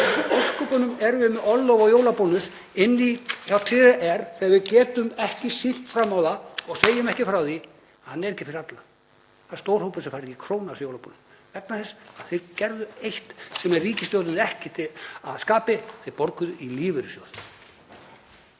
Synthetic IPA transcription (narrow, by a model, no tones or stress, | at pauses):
ɔr̥kʏpœnʏmɛɾʏmɪɔlːowvɔɣjowlapownʏs | ɪnːiθjawt̪ʰɪaʔɛɾ̥θɛɣavɪðcɛːt̪ʏmɛhcɪsiht̪fɾamawðaɔɣseːjʏmɛhcɪfɾawði | hanːɛɾejcːɪfɪɾɪat̪la | θanst̪oːwɾ̥howpʏ̥sɛmfaːɾɪcɪkʰɾoːwnasjowlapo̰nʏm | vɛt̪naθɛsːḁaθejɾcɛɾðʏejht̪sɛmɛrriːcɪst̪jowt̪ʏnɛhcɪt̪ʰɪa̰ðskaːpɪθejɾpɔɾkʏðʏiliːvɪɾɪsjo̰wl